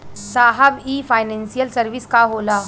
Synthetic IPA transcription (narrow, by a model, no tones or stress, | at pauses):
saɦabifajnẽnsijəlsəɾʋiːskaɦola